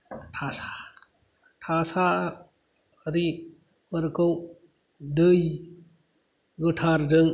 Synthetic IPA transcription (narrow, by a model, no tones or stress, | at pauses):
tʰasḁ | tʰasa | ɾi | wɐɾkɔw | dɯj | ɡɯtʰaɾzɯŋ